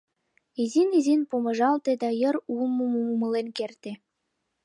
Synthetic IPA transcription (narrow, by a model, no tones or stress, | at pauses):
izinizinpumɤ̆ʒɑlt̪ĕd̪ɑjɤ̆ɾulmumumumɤ̆lenkert̪ĕ